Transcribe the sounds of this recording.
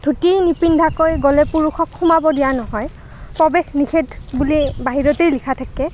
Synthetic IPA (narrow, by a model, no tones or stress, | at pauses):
dʱutinipindʱakojɡɔlɛpuɹuxɔkʰːumabɔdijanɔɦɔj | pɹɔbexnixʰetbulibaɦiɹɔteɹlikʰatʰakɛ